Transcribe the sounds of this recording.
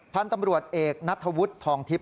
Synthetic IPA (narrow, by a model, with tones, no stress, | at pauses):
pʰa˧nt̪a˧mɾu˨˩ət̪̚ʔeː˨˩k̚na˦˥t̪ʰːa˧wu˦˥t̪ʰːɔː˩˦ŋt̪ʰi˦˥p̚